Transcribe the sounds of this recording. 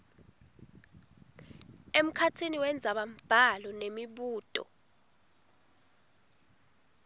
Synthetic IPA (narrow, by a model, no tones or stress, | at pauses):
em̩kʰatʰiniwɛnd͡zʱaɓam̩b̥ʱalɔnemiɓuːtʼɔ̰